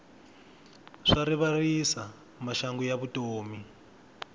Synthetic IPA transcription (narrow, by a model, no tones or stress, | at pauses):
ʂaɾiβarisa | maʃaŋɡujaβutʼoːmi